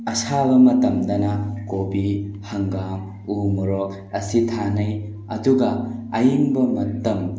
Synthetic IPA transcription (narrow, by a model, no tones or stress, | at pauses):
ɐsabɐmɐtɐmdɐnɐkobihɐŋɡam | umɔɾɔk̚ | ɐsitʰanɐj | ɐduɡɐɐjimbɐmɐtɐm